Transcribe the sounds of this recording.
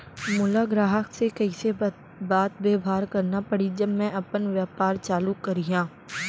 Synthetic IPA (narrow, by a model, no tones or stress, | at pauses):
mʊlaɡɾaːɦəksekɐiːse | baːt̪beːbʱaːɾkɐɾnapɐɽid͡ʒɐbmɛ̃ʔɐpənʋjaːpaːɾt͡ʃaːlukːɐɾijãː